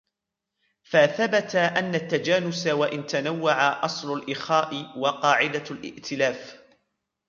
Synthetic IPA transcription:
faθabat̪aʔanːat̪ːad͡ʒaːnʊsawaʔɪnt̪anawːaʕaʔɑsˤlʊlʔɪxaːʔɪwɑqɑːʕɪd̪alʔɪ̰ʔt̪ʰɪlaːf

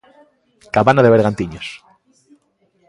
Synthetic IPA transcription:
kaβanaðeβeɾɣant̪iɲos

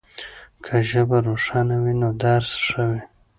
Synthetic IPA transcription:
kʰaʒəbaɾoʂɑnawinod̪aɾsʂəwe

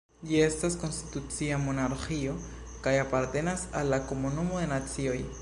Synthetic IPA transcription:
jest̪askonst̪i̥t̪ut͡siamonaɾxio | kajapaɾt̪enasalakomonumoðenat͡sjoj

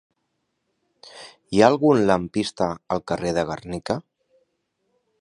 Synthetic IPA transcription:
iaːlˠɣunləmpist̪aːlˠkəreðəɣərnika

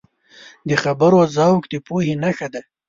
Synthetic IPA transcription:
d̪əxabəɾoazɑwkd̪əpuhenaxad̪a

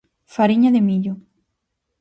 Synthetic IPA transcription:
faɾiɲaðɪmiʎʊ

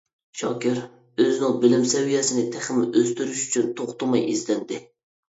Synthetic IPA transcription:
ʃɑːkʲɪɾ | øzɪnɪŋbɪlɪmsɛwijɛsɪnɪt̪ʰæχɪmɪʔøst̪yɾyʃy̥t͡ʃʰynt̪ʰoχt̪ʊmɑjizlɛnd̪ɪ

